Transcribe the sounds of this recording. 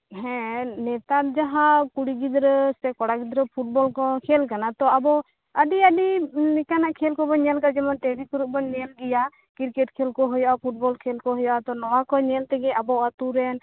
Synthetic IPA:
ɦɛ̃nɛt̪at̪̚d͡ʒaɦãkuɽiɡid̪ɾɔsɛkɔɽaɡid̪ɾəpʰuʈ̚bɔlkɔkʰɛlkanat̪ɔabɔ | əɖiəɖiɛkanaʔkʰɛlkɔbɔɲɛlkad͡ʒɛmanʈɛɾikɔɾuʔ̚bɔnɛlɡɛja | kiɾkɛʈkʰɛlkɔɦɔjɔʔapʰuʈ̚bɔlkʰɛlkɔɦɔjɔʔat̪ɔnɔwakɔnɛlt̪ɛɡɛʔabɔat̪uɾɛn

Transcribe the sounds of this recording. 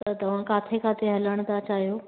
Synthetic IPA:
t̪ɐt̪ɐʋ̤ãkat̪ʰekat̪ʰeɦɐləɳ̃d̪at͡ʃaɦjo

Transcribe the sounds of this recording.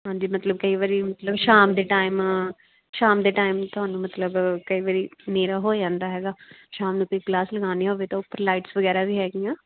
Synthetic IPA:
ɦãːd͡ʒiːmət̪ləb̚kəiːʋaːɾiːmət̪ləbʃaːmd̪eːʈaːɪm | ʃaːmd̪eːʈaːɪmt̪ʊaːnũːmət̪ləbkəiːʋaːɾiːneːɾaːɦoːd͡ʒãːnd̪aːɦɛːɡaːʃaːmnũːk̪okɡlaːsləɡãːniɦoːʋeːt̪ãːʊpːəɾlaːɪʈsʋəɡɛːɾaːʋʱiːɦɛːɡijãː

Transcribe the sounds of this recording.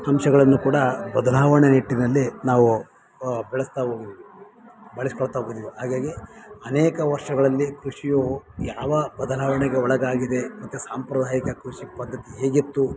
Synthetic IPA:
ɐmʃɐɡɐɭɐnːukuːɽɐbɐd̪ɐlaːʋɐɳeniʈːinɐlːinaːʋu | bɛɭɐst̪aɦoːɡid̪iʋi | bɐɭisi̥kɔɭt̪ɐɦoɡid̪iʋiɦaːɡaːɡiɐnɛːkɐʋɐɾʂɐɡɐɭɐlːikɾuʂijojaːʋɐbɐd̪ɐlaːʋɐɳɛɡeɔɭɐɡaːɡid̪e̞mɐt̪ːusaːmpɾɐd̪ʱaːjikɐkɾuʂipɐd̪ːɐt̪iɦeːɡit̪ːu

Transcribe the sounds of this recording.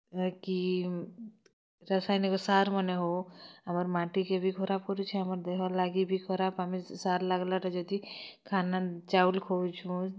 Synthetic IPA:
ki | ɾəsajnikɔsaɾməneɦoaməɾmãʈikebʱikʰɔɾab̚kɔɾut͡ʃʰɛaməɾd̪eɦalaɡibʱikʰɔɾabamisaɾlaɡlaʈad͡ʒɔd̪ikʰanat͡ʃaulkʰot͡ʃʰũ

